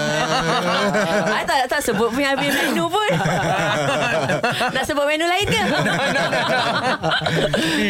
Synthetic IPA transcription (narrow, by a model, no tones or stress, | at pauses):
ajt̪aʔt̪aʔsəbʊt̪̚pʊnabimɛnupʊn | naʔsəbʊt̚mɛnulaɪnkə